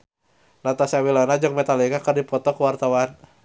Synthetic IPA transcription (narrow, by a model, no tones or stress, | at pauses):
nat̪asawilɔnad͡ʒɔk̚mɛt̪alikakərdipɔt̪ɔkuwart̪awan